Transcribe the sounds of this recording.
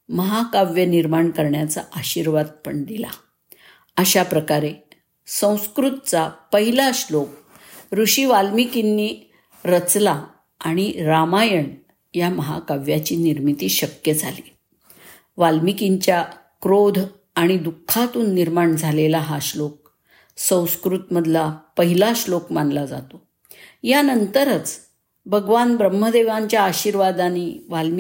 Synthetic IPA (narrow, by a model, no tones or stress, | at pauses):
məɦakaʋjəniɾmaɳkəɾɳjat͡saʔəɕiɾʋad̪̚pəɳd̪ila̰ | əɕapɾəkaɾe | sə̃w̃skɾut̪̚t͡sapəɦilaɕlok̚ | ɾuɕiːʋalmikinːiː | ɾət͡sla | aɽ̃iɾamajəɳ | jaməɦa̰kaʋjat͡ɕiːniɾmit̪iːɕəkjəd͡zʱaliː | ʋalmikiɲt͡ɕja | kɾod̪ʱ | aɽ̃id̪ukʰːat̪uːnːiɾmaɳd͡zʱalelaɦaɕlok̚ | sə̃w̃skɾut̪məd̪ʱlapəɦilaɕlokmanlad͡za̰t̪o | janənt̪əɾət͡s | bʱəɡʋanbɾəmːəd̪eʋaɲt͡ɕjaːɕiɾʋad̪aniːʋalm